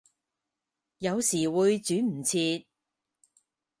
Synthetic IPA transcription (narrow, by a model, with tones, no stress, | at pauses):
jɐ˨˧wsiː˨˩wuː˨˧jt͡syː˨˥m̩˨˩t͡sʰiː˧t̚